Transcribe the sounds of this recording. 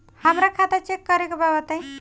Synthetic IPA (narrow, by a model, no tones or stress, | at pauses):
həmɾakʰat̪at͡ʃekːəɾekebabət̪əj̃